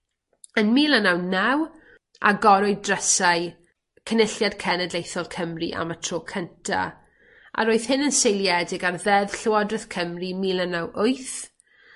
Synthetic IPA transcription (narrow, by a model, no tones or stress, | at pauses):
ənmiːlˠənawnɛw | a̰ɡɔɾɔɨdrəsaj | kʰənɪɬjadkʰɛnɛdlejθɔlˠkʰəmriʔa̰matʰroːkʰəntʰa̰ | ʔa̰ɾoːɨθhɪnənsejlˠjɛdɪɡarðɛð̥ɬɪwadrɨθkʰəmrimiːlənawʔʊɨθ